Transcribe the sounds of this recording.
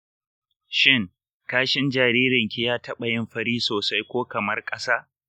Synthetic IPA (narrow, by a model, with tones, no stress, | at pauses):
ʃɪ˦ŋ | kaː˦ʃɪ˦nd͡ʒaː˨ɾiː˦ɾɪ˨ŋkʲɪ˦jaː˦tɐ˦ɓɐ˨jɪ˦mɸɐ˦ɽiː˦soː˨sa˦jkʷoː˦kɐ˨mɐ˦rkʼɐ˦saː˦